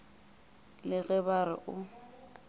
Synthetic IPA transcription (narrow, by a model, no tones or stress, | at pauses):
lɪɣɛbaɾɪ̰ʔʊ